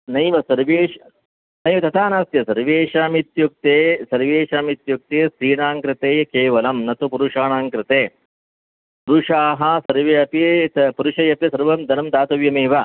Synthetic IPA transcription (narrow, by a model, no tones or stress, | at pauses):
nɐjʋɐsɐɾʋeː | nɐjmɐt̪ɐt̪ʰaːnaːst̪jɐsɐɾʋeːʂaːmit̪juk̚t̪eːsɐɾʋeːʂaːmit̪juk̚t̪eːsɾiːɽaːŋkɾɪt̪eːjɐkeːʋɐlɐmnɐt̪upuɾuʂaːɳaːŋkɾɪt̪eː | puɾuʂaːɦɐsɐɾʋeɐpit̪puɾuʂɐjɐpjɐsɐɾʋɐmd̪ʱɐnɐmd̪aːt̪ɐʋjɐmiːʋɐ